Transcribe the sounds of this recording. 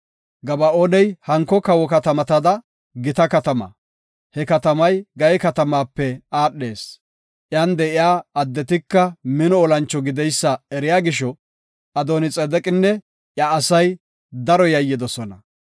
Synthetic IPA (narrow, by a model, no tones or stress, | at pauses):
ɡɐbɐoːnɛjhɐŋkːɔkɐwɔkɐt̪ɐmɐt̪ɐd̪ɐ | ɡɪt̪ɐkɐt̪ɐmɐ̰ | hɛkɐt̪ɐmɐjɡɐjɛkɐt̪ɐmaːpːɛaːɗːe̞̰ːs | ʔɪjaːnd̪ɛʔɪjaːɐd̪ːɛt̪̬ɪkːɐmɪnɔːlɐnt͡ʃːɔɡɪd̪ɛjsːɐɛɾɪjaːɡɪʃɔ | ɐd̪oːnɪt͡sʼɛd̪ɛkʼɪnːɛ | ʔjaːsɐj | d̪ɐɾɔjɐjːɪd̪ɔsɔnɐ̰